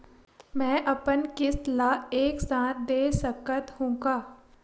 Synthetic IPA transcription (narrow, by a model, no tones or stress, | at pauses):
mɛ̃ːʔɐpənkɪslaːeːksaːt̪̚ʰd̪eːsəkət̪hũːɡaː